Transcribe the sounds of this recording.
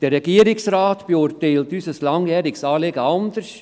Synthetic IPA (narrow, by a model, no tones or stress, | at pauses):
d̥ɛɾːɛɡ̥iəɾɪksraːtb̥euɾteɪltysəslɑŋjɛːɾɪksɑːleɡəɑnd̪əɾs